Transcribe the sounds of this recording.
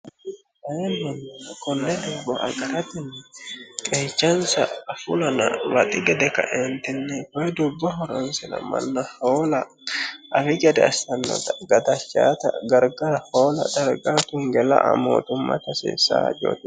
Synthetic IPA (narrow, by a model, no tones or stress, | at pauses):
ɐjɛnmɐnːɐkɔnːɛd̪ʊbːɐʔɐ̰ɡɐɾɐt̪ɪnːɪkʼeːt͡ʃːɐnsɐ̰ːfʊ̰lɐnɐ̰wɐt̪ʼɪɡɛd̪ɛkɐ̰ʔent̪ɪnːɪkɔjɛd̪ʊbːɐɦɔɾɐnsɪnɐ̰mɐ̰nːɐhoːlɐ | ʔɐfɪɡɛd̪ɛɐstɐnːɔ̰t̪ɐɡɐd̪ɐt͡ʃːa̰ːt̪ɐɡɐɾɡɐɾhoːlɐ̰d̪ɐɾɡat̪ʊŋɡɛlɐ̰ʔɐ̰mo̰ːt̪ʊmːɐ̰t̪ɐsḛːsa̰ːd͡ʒo̰ːt̪ɪ